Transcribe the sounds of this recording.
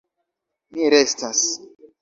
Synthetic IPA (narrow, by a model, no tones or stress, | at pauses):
miɾestas